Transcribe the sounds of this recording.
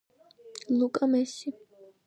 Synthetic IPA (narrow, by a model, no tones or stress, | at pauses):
lˠukʼamɛsi